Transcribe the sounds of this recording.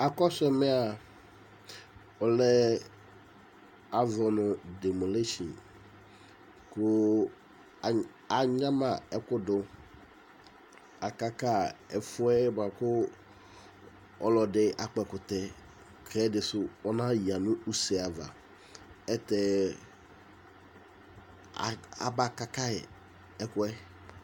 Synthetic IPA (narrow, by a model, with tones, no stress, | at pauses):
a˨kɔ˦sʊ˦ɛ˦me˦a˨ | ɔ˨lɛ˦ | a˨zɔ˨nʊ˨de˨mu˨le˦ʃḭ˨n | kʊ˦˨ | a˨ɲã˦mã˨ɛ˦kʊ˦dʊ˦ | a˨ka˦ka˦˨ɛ˨fʊ˦ɛ˦ba˨kʊ˦ | ɔ˦lɔ˨dɪ˦a˨k͡pɛ˨kʊ˨t̪ɛ˨ | kʰɛ˦dɪ˨sʊ˦ɔ˦nã˦ji˨a˨nʊ̃˦u˦sɛ˨a˨va̰˨ | ɛ˦t̪ɛ˦˨ | a̰˨ba˦ka˦ka˦ɛ̰˨ | ɛ˦kʊ˦ɛ˦